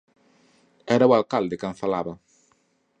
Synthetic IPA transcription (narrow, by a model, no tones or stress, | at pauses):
ɛɾawalkald̪ɪkãɱfalaβɐ